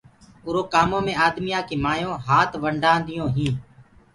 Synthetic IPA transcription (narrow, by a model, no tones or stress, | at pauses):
ʊɾoːkaːmõːmẽːaːd̪mɪjaːkiːmaːjõːɦaːt̪ʰʋəɳɖãːnd̪ɪjõːɦĩː